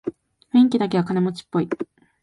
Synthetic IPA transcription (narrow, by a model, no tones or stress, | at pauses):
ɸɯ̟ĩŋk̬ʲid̪ak̬e̞βakane̞mo̞t͡ɕi̥pːo̞i